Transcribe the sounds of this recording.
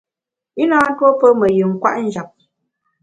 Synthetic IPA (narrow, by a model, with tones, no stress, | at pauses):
i˦naː˦n̩˦two˦pə˦mə˨jʉ˨ŋ̩˨kwa̰˦ʔn̩˦d͡ʒa˨p̚